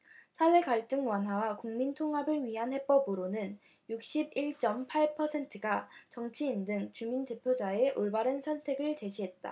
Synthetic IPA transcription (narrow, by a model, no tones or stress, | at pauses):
sʰawe̞kaɭt͈ɯŋwanɦawakuŋmintʰoŋɦabɯɭɥiɦanhe̞p͈ʌbɯɾonɯn | juk̚ɕ͈ibiɭt͡ɕ͈ʌmpʰaɭpʰʌsʰe̞ntʰɯɡat͡ɕʌŋt͡ɕʰiːndɯŋt͡ɕuminte̞pʰjod͡ʑae̞ʔoɭbaɾɯnsʰʌntʰe̞ɡɯɭt͡ɕe̞ɕʰiɦe̞t̚t͈a̰